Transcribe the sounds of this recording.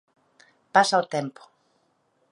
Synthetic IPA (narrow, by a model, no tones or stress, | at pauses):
pasaot̪empo̥